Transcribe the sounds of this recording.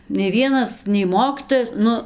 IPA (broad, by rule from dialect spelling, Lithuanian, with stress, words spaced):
nʲɛɪ ˈʋʲiɛnɐs nʲɛɪ ˈmoːkʲiːtoːjɛs ˈnʊ